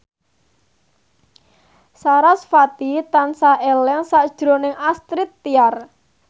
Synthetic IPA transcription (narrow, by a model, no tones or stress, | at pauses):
saɾasfat̪it̪ansaʔɛlɛŋsaʔd̥ʒ̥ɾo̤nɪŋast̪ɾɪt̪ːiar